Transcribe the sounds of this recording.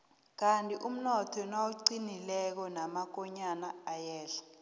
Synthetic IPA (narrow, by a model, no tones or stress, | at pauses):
k̬antʼiʔum̩nɔtʰɔnawuǀinilɛk̬ɔnamak̬ɔɲanaːjɛːɬḁ